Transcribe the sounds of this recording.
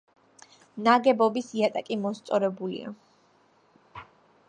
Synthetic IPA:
naɡɛbɔbisiat̪ʼakʼimɔst̪sʼɔɾɛbulḭa̰

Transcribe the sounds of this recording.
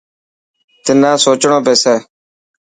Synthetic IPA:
t̪ɪnãːsoːt͡ʃɳõːpeːseː

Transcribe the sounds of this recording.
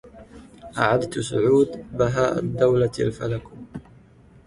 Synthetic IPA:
ʔaʕad̪t̪sʊʕuːd̪baɦaːʔa̰d̪ːawlaa̰lfalak

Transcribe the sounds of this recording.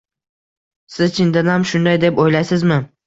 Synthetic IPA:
sɪzt͡ʃʰɪnd̪anamʃʊnd̪ajd̪e̞pojlajsɪzmɪ

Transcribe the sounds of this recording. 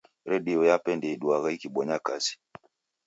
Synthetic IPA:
ɾɛɗiɔjapɛndɛiɗuaɣaikiɓɔɲakasi̥

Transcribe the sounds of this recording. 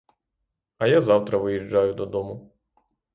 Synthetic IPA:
ɐjazɑwt̪ɾɐʋɪjiʒd͡ʒɑjʊd̪ɔd̪ɔmʊ

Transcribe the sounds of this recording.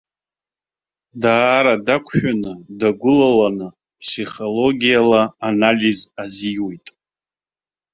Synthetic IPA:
daːɾadakʷʰħᶣanɨdaɡʷʊlalanɨ | psiχolo̞ɡʲijalaːnalʲizaziwe̞jtʼ

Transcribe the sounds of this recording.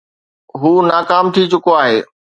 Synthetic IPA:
ɦuːnaːkaːmt̪ʰit͡ɕʊkoaːɦeː

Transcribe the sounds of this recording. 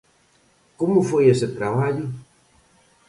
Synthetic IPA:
komʊfojeset̪ɾaβ̞aʎʊ

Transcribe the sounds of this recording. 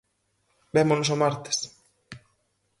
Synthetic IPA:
bemonos̬omaɾt̪e̥s

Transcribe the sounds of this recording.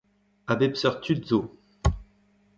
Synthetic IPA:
abepsœʁt̪ʰyd̪zo

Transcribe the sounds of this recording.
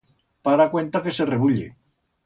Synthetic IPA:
paɾakwe̞nt̪akesereβuʎḛ

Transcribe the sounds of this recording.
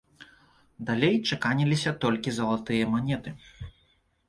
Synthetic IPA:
d̪alʲejt͡ʂakanʲilʲisʲɐt̪ɔlʲkʲizɐlˠat̪ɨjɐmanʲɛt̪ɨ

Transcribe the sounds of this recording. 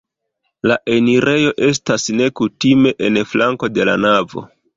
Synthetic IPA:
laʔe̞niɾe̞jo̞ʔe̞s̬tasne̞kutime̞ʔenflaŋko̞de̞la̰navo̞̰

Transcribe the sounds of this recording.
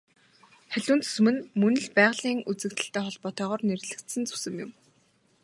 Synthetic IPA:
χæɮʲuːnt͡sʰɵ̥smɘ̆nmɵnɘ̆ɮpæːʁɮiːŋut͡sɘ̆kt̪ɘ̆ɬt̪æːχɔɮpɔːt̪œːʁɔːrnerɮɘ̆kt̪sɘ̆nt͡sɵ̥sɘ̆mjʊ̆m

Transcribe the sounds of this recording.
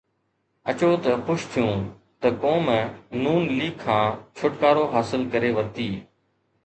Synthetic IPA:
ət͡ʃoːt̪əxʊʃt̪ʰijũː | t̪əkoːmənuːnliːkʰːãːt͡ʃʰʊʈkaːɾoːɦaːsɪlkəɾeːʋəɾt̪iː

